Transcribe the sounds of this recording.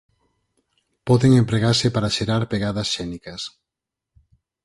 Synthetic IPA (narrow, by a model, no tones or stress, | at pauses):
pɔðeŋempɾeɣaɾsɪpaɾaʃeɾaɾpeɣaðɐsʃɛnikɐs